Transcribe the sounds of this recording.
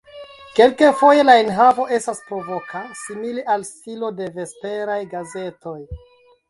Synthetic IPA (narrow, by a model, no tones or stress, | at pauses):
ke̞lkefo̞je̞lainɦavo̞ʔe̞staspɾo̞vo̞kasimileʔalstilo̞de̞ve̞spe̞ɾajɡaze̞to̞j